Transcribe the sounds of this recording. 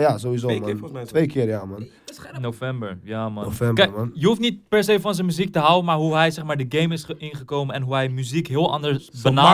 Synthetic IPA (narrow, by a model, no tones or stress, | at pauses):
jazoʋizomntʋejkɪːrjaman | nofɛmbə̰ɹjamanofɛmkɛnjəɦuftnit̚pɛɹsejfɑnzənmyzik̚təɦawənmaːɹɦuɦɛjsɛxmaːɹdəɡejmɪsɪnχəkowmənɛnɦuɦɛjmyzikɦɪəlˠʔɑ̰ndəɹbəna